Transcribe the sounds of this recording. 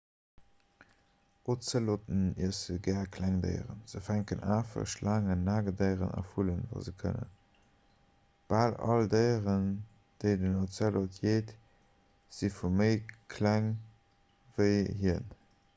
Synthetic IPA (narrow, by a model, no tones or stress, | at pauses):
ot͡səlotəniəsəɡæːkʰlæŋdə̰ɪʁə̰nz̥əfæŋkənʔaːfə̰ʃlʔaːŋənːaːɡədəɪʁə̰nɑ̰fulənva̰ːzəkʰə̰nə̰n | b̥aːlɑ̰ldəɪʁən | d̥əɪdənot͡səlotʰjeːt | z̥ifuməɪkʰlæŋ | vəɪɦiən